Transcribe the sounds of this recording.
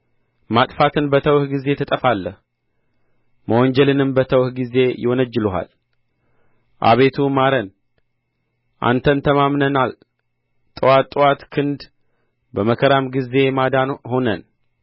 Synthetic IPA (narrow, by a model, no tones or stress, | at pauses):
mat̪ʼfat̪ʰɨnbət̪ʰəwhɡize̞t̪ʰət̪ʼəfalːəh | məwɔɲd͡ʒɛlɨnɨmbət̪ʰəwhɡize̞jɪwɔnəd͡ʒːɪluɦa̰l | ʔa̰βe̞t̪ʰumaɾən | ʔa̰nt̪ʰənt̪ʰəmamnənal | t̪ʼɨwat̪ʼɨwat̪kʰɨnd̪ | bəməkʰəɾamɡize̞mad̪anho̞nən